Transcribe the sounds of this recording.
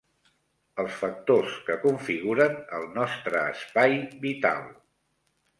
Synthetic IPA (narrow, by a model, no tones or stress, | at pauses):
əlˠsfək̚t̪oskəkuɱfiɣuɾənəlˠnɔst̪ɾəːspajβit̪a̰lˠ